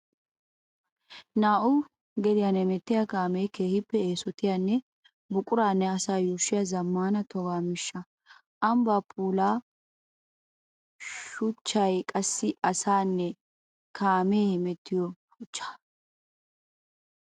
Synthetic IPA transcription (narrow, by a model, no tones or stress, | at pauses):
naːʔʊ | ɡɛd̪ɪjanɛmɛt̪ːɪjakaːmɛjkeːhɪpːɛeːsɔt̪ɪjanːɛ | bʊkʼʊɾaːnːɛɐsaːjuːʃːɪjɐzɐmːaːnɐt̪ɔɡaːmɪʃːɐ | ʔɐmbaːpʰʼuːlaː | ʃʊt͡ʃːɐjkʼɐsːɪʔɐsaːnːɛ | kʰaːmeːmɛt̪ːɪjɔ | ʊt͡ʃːḁ